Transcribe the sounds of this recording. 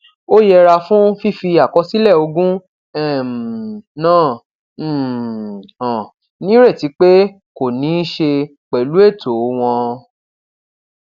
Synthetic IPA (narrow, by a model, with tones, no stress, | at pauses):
o˦jɛ˧ɾa˧fũ˦fi˦fi˧a˨kɔ˧si˦lɛ˦˨o˧ɡũ˦ | ɛ˦˨m˨nãː˦˨˦ | ɔ̃˨ | nĩ˦ɾe˦˨ti˨˦k͡pe˦ | ko˨nĩ˨˦ʃe˧ | k͡pɛ˨lu˨˦e˦˨tʰo˨˦w̃ɔ̃˧